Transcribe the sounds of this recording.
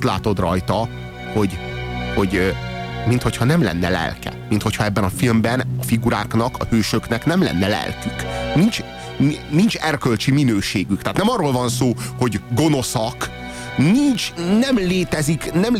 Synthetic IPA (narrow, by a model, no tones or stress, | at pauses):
t̪la̰ːt̪o̞d̪rɒ̰jt̪ɒ | ho̞ɟho̞ɟ | mint̪ho̞cʰhɒnɛmlɛ̰nːɛ̰lɛ̰lkɛ̰mint̪hochɒɛbːɛnɒfilmbɛnɒfiɡuɾa̰ːknɒkɒ̰høːʃøknɛknɛmlɛ̰nːɛlɛ̰lkyknint͡ʃ | nint͡ʃɛrkølt͡ʃiminøːʃeːɡykt̪aːt̪nɛmɒrːoːlvɒnsoːho̞ɟɡo̞no̞sɒk | nint͡ʃnɛmleːt̪ɛziknɛm